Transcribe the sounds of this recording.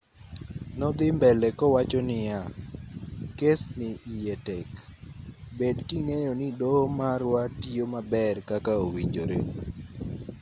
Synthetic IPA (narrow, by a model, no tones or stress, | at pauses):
nɔd̪ɪmbɛlɛkɔwat͡ʃɔnɪja | kesnɪʔijetɛk | bedkiŋejɔnɪdomaɾwatiomabɛrkakaowiɲd͡ʒoɾḛ